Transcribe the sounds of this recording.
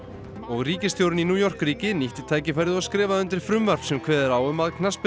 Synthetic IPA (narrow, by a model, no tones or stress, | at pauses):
ɔɣriːcɪst̪jowɾʏninuːjɔr̥kɾiːcɪniht̪ɪt̪ʰaːjcɪfajɾðɪɔskɾɪːvaðʏnt̪ɾɪɾfɾʏmvɛr̥psɛmkʰvɛːðɪɾaːwʏmaðkʰnaspɪ